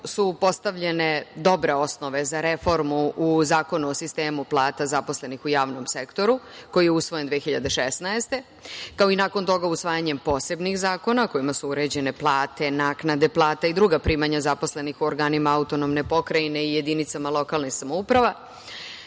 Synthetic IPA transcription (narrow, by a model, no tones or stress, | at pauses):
supo̞st̪aʋʎe̞ne̞d̪o̞bɾe̞o̞sno̞ʋezaɾefo̞ɾmuuzaːko̞nuosist̪eːmuplˠaːt̪azapo̞sle̞nixujaːʋno̞msekt̪o̞ɾuko̞jijeusʋo̞jend̪ʋeːxiʎad̪e̞ʃesnaest̪e̞ | kao̞inaːko̞nt̪o̞ɡausʋaːjaɲe̞mpo̞ːse̞bnixzaːko̞nako̞imasuuɾe̞d͡ʑe̞ne̞plˠaːt̪e̞naːknad̪e̞plˠaːt̪aid̪ɾuɡapɾiːmaɲazapo̞sle̞nixuoɾɡaːnimaaut̪o̞nomne̞po̞kɾaine̞ije̞d̪init̪samalˠo̞kalnixsamoupɾaʋa